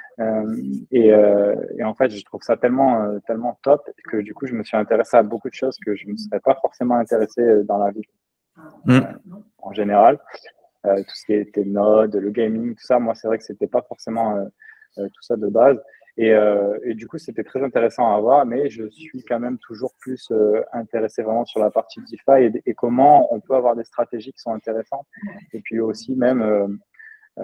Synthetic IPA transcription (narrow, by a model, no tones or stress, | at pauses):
ømeøḛɑ̃fɛt̪ʒət̪χuv̥sat̪ɛlmɑ̃øt̪ɛlmɑ̃t̪ɔpkəd̪ykuʒəməsɥiɛ̃t̪eʁeseabokud̪əʃozkəʒəməsəʁɛpafɔʁsemɑ̃ɛ̃t̪eʁeseød̪ɑ̃lavi | ɑ̰̃ʒeneʁal | øt̪u̥sə̥kʲiet̪ɛnɔd̪ləɡɛjmiŋt̪u̥samwasɛvʁɛkə̥set̪ɛpafɔʁsemɑ̃ø | øt̪u̥sad̪əbaz | eøed̪ykuset̪ɛt̪χɛzɛ̃t̪eʁesɑ̃avwaʁmɛʒəsɥikɑ̃mɛmt̪ʰuʒuʁplysøɛ̃t̪eʁesevʁɛmɑ̃syʁlapaʁt̪id̪ifaeːkɔmɑ̃ɔ̃pøavwaʁd̪est̪χat̪eʒikʲi̥sɔ̃ɛ̃t̪eʁesɑ̃t̪epɥiosimɛmø